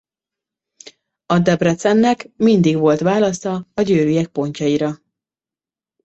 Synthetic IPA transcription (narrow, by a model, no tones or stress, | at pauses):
ɒd̪ɛbrɛt̪sɛnːɛkmind̪iɡvo̞lt̪ʋaːlɒsɒɒɟøːɾyjɛk̚po̞ɲcɒjiɾɒ